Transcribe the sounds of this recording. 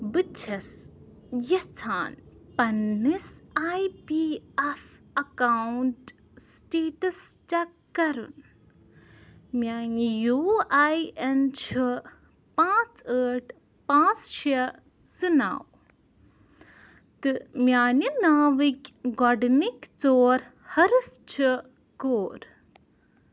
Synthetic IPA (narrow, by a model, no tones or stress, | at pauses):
bɨt͡ʃʰɐs | jɐt͡sʰaːnpɐnːisajpiːɐf | ɐkawnʈ | sʈeːʈɨst͡ʃɐ | kɐɾṵn | mjaːnijuːajent͡ʃʰi | pãːt͡səːʈʰ | pãːt͡sʃʰi | sɨna̰w | t̪ɨmjaːninaːʋikʲɡɔɖnikʲt͡soːɾ | hɐɾft͡ʃʰi | koːɾ